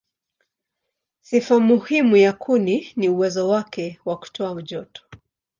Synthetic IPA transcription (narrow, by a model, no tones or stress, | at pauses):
sifamuhimujakʰuniniuwɛzɔwakɛwaku̥tʰɔam̩ʄɔtɔ̥